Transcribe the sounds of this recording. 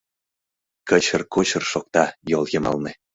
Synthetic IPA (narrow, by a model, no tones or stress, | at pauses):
kə̆t͡ɕə̆rkot͡ɕə̆rʃok̚t̪ɑjolˠjɤ̆mɑ̰lnĕ